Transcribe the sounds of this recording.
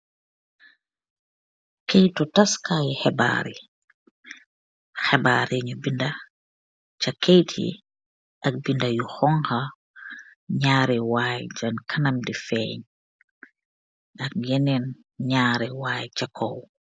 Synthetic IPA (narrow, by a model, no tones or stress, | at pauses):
kɛjtɔtaskajɛhɛba̰ɾḭ | xɛbaːɾɛɲɔbinda | t͡ʃakejtʰḭ | ʔak̚bindajuxɔŋha | ɲaːɾɛwaːjd͡ʒankʰanamdifɛɲ | ʔakjɛnɛn | ɲaːɾɛwaːjt͡ʃakʰɔw